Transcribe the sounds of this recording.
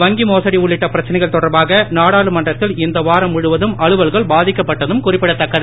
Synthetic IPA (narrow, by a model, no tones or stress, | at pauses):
ʋɐŋɡimoːsɐɽiʊɭːɪʈːɐpɪɾɐt͡ʃːɐnɛɪɣɐɭt̪ɔɽɐɾbaːɣɐnaːɽaːɭɯmɐndrɐt̪ːɪlɪnd̪ɐʋaːɾɐmʊɻɯʋɐðɯmɐɻɯʋɐɭɣɐɭbaːðɪkːɐpːɐʈːɐðɯmkʊrɪpːɪɽɐt̪ːɐkːɐð